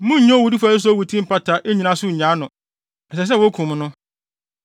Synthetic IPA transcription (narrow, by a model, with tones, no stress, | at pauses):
mʊ̃˦ɲ̩˦ɲɔ̃˦wu˨di˦fa˨˦ɪ˦s̬wu˨tʰĩ˦m̩˦pʰa˦tʰa˨ʔe˦ɲĩ˨nã˦sʊ˦˨ɲã˨˦nʊ̃˨ | ɛ˨sɛ˨s̬ɛ˦wo˦kʰʊ̃˨m˦nʊ̃˦